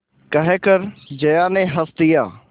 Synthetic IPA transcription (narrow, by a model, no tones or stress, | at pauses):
kəɦeːkəɾd͡ʒəjaːnẽːɦəst̪ɪjaː